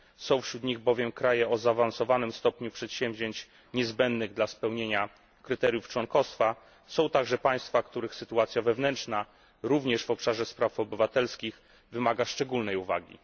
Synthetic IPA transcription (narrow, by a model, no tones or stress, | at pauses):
sɔ̃w̃fɕɾud̪ɲiɣbɔvʲjɛmkɾajɛɔzaːvansɔvanɘmst̪ɔpɲupʂɛt̪ɕɛmvʲʑeɲt͡ɕ | ɲɛzbɛnd̪nɘɣd̪laspɛwɲeɲa | kɾɘt̪ɛɾʲjuft͡ʂwɔnkɔst̪fa | sɔ̃w̃t̪aɡʐɛpaj̃st̪fakt̪uɾɘxsɘt̪uat̪sʲjavɛvnɛnt͡ʂna | ɾuvɲɛʂvɔpʂaʐɛspɾafɔbɘvat̪ɛlskʲix | vɘmaɡaʂt͡ʂɛɡulnɛjuva̰ɡʲḭ